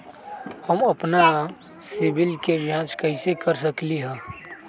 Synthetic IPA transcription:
həməpna | sɪbɪlked͡ʒãːt͡ʃkəɪsekəɾs̬əkliɦɛ̃ː

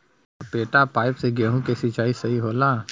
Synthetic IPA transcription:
peːʈapaːɪpseɡɛːɦũkesit͡ʃaːisɐɦiɦoːlaː

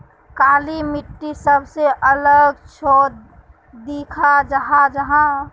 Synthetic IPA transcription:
kaːlimiʈːisəbseʔələɡt͡ʃʰoːd̪ | d̪iːkʰad͡ʒəɦãd͡ʒəɦã

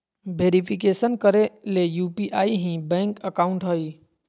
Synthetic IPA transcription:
beːɾipʰik̬eːsənkəɾelejuːpiʔaːiɦĩbɛ̃ːŋkəkaːʊ̃ɳʈɦoi

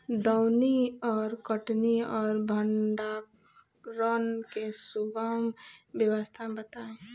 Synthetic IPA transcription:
d̪ɔʊniɔːɾkəʈniɔːɾbʱəɳɖa | ɾɔnkesʊɡaːmbjəwəst̪ʰabət̪aːẽː

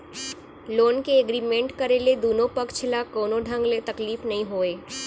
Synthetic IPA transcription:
loːnkeeɡɾiːmẽɳʈkɐɾeled̪oːnõpɐkt͡ʃʰlakoːnõɖʱə̃ŋɡlet̪ɐkliːfnɐɦĩɦoːeː

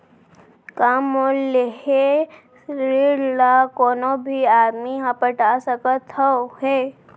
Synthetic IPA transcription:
kamoleɦe | sɾiɽlakoːnobʱiaːd̪miɦəpəʈasəkət̪əɦe

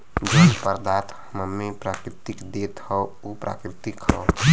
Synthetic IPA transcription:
d͡ʒəpəɾd̪at̪həməmːepɾakɾɪt̪ikd̪et̪hɔ | opɾa̰kɾɪt̪ikɦɔ

